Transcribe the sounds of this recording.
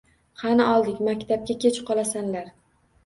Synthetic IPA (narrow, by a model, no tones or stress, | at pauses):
hanɪɒlˠd̪ɪkʲmakʲt̪ʰap̚kʲakʲʰet͡ʃʰqʰɒlasanlaɾ